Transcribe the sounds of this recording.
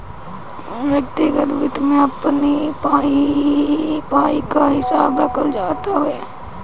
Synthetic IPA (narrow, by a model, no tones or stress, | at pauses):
ʋjɐk̚t̪iɡət̪ʋɪt̪mẽɐpnipaːi | paːikaɦɪsaːbɾəkʰəld͡ʒaːt̪aɦɦɛː